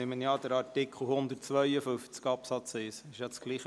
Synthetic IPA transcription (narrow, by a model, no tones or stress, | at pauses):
ɪmənjɑːd̪̥əɾɑɾtɪkχl̩hʊnd̪əɾtt͡sʋœʏəfʏft͡skɑpsɑt͡sɪsɪʃjɑt͡sɡ̥liːχə